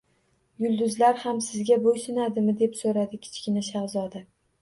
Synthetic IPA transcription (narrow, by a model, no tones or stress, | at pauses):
jʊlˠd̪ʊzlaɾhamsɪzɡʲabojsɪnad̪ɪmɪd̪e̞psoɾad̪ɪkʲʰɪ̥t͡ʃkʲɪnaʃɑʁzɒd̪a